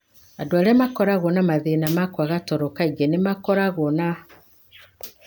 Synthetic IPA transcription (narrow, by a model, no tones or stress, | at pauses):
adwaɾɛmakɔɾaɣonamaðenamakwaɣatɔɾokaiɡenemakɔɾaɣona